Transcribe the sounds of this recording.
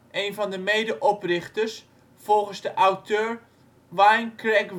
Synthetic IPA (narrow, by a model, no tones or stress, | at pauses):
ʔejnvɑndəmejdəʔɔprɪχtəs | fɔlˠχənzdəʔawtʰøːɹ | ʋajnkrɛk